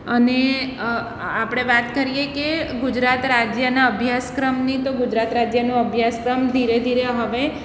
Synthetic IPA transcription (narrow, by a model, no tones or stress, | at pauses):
əne | apɽ̃eʋat̪kəɾijekeɡʊd͡ʒɾat̪ɾad͡ʒjənaəbʱjaskɾəmnit̪oɡʊd͡ʒɾat̪ɾad͡ʒjənũəbʱjaskɾəmd̪ʱiɾed̪ʱiɾeɦəʋe